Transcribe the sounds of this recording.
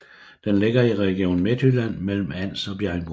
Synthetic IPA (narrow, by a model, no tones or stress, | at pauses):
d̥enle̝ɡ̥ɐiʁɛɡ̥jo̝̰ːn̩me̝d̥ylæn̰mel̰m̩æn̰sɒ̽b̥jæɐŋb̥